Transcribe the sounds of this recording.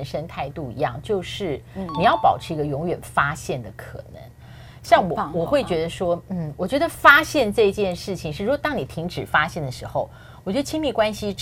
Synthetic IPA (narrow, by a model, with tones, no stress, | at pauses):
nʂə˥nt̪ʰa˥˧ɪt̪u˥˩ḭ˧˥jɑ̰˥˩ŋt͡ɕjo˥˧ʊʂɻ̩˥˩ni˨˩jɑ˥˩ʊpɑ˨˩ʊʈ͡ʂʰɻ̩˧˥˧i˧˥ɡə˧jʊ˧˥ŋɥɛ˨˩nfa˥ɕjɛ˥˩nd̪ə˩kʰɤ̰˨˩nə̰˧˥ŋ | ɕjɑ˥˩ŋwɔ˨˩wɔ˨˩xwe˥˩ɪt͡ɕɥɛ˧˥d̪ə˧ʂwɔ˥n̩˥˩wɔ˨˩t͡ɕɥɛ˧˥d̪ə˧fa˥ɕjɛ˥˧nʈ͡ʂɤ˥˧i˧˥t͡ɕjɛ˥˧nʂɻ̩˥˩t͡ɕʰi˨˩ŋʂɻ̩˥˩ɻu˧˥ɡwɔ˨˩t̪ɑ˥ŋni˨˩t̪ʰi˧˥ŋʈ͡ʂɻ̩˨˩fa˥ɕjɛ˥˩nd̪ə˩ʂɻ̩˧˥xo˥˧ʊ | wɔ˨˩t͡ɕɥɛ˧˥d̪ə˧t͡ɕʰi˥ŋmi˥˩kwa˥nɕi˧